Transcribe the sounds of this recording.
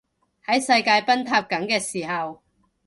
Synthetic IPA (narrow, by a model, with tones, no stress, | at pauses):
hɐ˨˥jsɐ˧jkaː˧jpɐ˥nt̪ʰaː˧p̚kɐ˨˥nkɛː˧siː˨hɐ˨w